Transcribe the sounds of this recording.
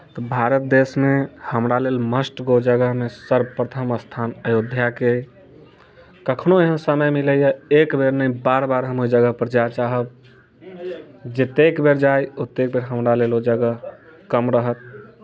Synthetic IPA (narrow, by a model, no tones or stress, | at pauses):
t̪ɔbʱaɾət̪̚d̪esmehəmɾalelməsʈɡod͡ʒəɡəɦmesəɾbpɾət̪ʰəməst̪ʰanəjod̪ʱjake | kəkʰnoeɦənsəməjmiləjəekbeɾnəĩbaɾbaɾɦəmod͡ʒəɡəɦpɾəd͡ʒat͡ʃaɦəb | d͡ʒet̪ekbeɾd͡ʒajot̪ːek̚beɾɦəmɾalelod͡ʒəɡəɦkəmɾəɦət̪̚